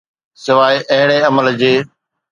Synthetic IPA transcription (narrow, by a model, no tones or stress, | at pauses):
sɪʋaːiʔɐɦɪɽ̃eːəməld͡ʑeː